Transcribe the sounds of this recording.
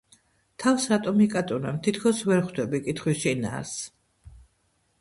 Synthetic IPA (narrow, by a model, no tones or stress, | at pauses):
t̪ʰafsɾat̪ʼɔmikʼat̪ʼunamt̪ʰit̪ʰkʰɔsvɛɾχd̪ɛbikʼit̪ʰχwisʃʃina̰s